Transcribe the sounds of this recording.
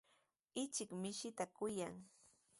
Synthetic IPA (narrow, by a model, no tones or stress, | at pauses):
ɪt͡ʃɪkmɪʃɪt̪akʊjaŋ